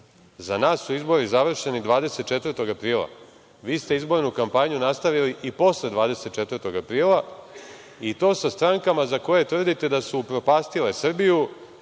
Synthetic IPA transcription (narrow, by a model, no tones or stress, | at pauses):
zanaːsːuizbo̞ɾizaʋr̩ʃe̞nid̪ʋaːd̪e̞se̞t̪̚t͡ʃe̞t̪vr̩t̪o̞ɡapɾiːlˠa̰ | ʋiːst̪eizbo̞ɾnukampaɲunast̪aʋiliʔipo̞sled̪ʋaːd̪e̞set̪̚t͡ʃe̞t̪vərɾt̪o̞ɡapɾiːlˠa | it̪oːsast̪ɾaŋkamazako̞je̞t̪ʋr̩d̪it̪e̞d̪asupɾo̞paːst̪ile̞sr̩biju